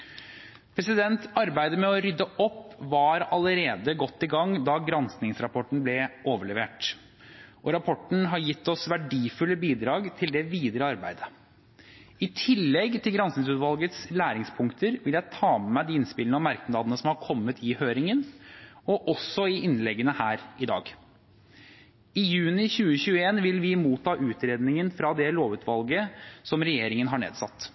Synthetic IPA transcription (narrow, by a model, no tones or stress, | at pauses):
pʰɾɛsɪd̪ɛnt̪ɑɾbæɪd̪əmɛɔɾʏd̪ːəʔɔpːʋɑɾɑləɾeːd̪əɡɔt̪ːɪɡɑŋd̪ɑɡɾɑnsnɪŋsɾɑpʰɔʈəɳ̩blɛʔoːʋəɭɛʋḛːʈ | ʔɔɾɑpʰɔʈɳ̩ɦɑɾjɪt̪ːɔsʋæɖiːfʉlːəbiːd̪ɾɑːɡt̪ʰɪld̪ɛʋiːd̪əɾəɑɾbæ̰ɪd̪ə | ɪt̪ʰɪlːɛɡt̪ʰɪlɡɾɑnsnɪŋsʉːt̪ʋɑlɡət̪slæːɾɪŋspʰʊŋkt̪ʰəɾʋɪljæɪt̪ʰɑːmɛd̪iːɪnspɪlnəɑmæɾknlɑːd̪ənəsɔmhɑɾkʰɔmːət̪ʰɪhøːɾɪŋənɔʔɔsɔɪʔɪnlɛɡːənəhæːɾɪd̪ɑ̰ːɡ | ɪjʉːnɪçʉːəçʉːəeːnʋɪlʋɪmuːt̪ʰːɑːʔʉːt̪ɾeːd̪nɪŋənfɾɑd̪ɛloːʋʉːt̪ʰʋɑlɡəsɔmɾɛjeːɾɪŋənɦɑɳḛːd̪sɑt̪ː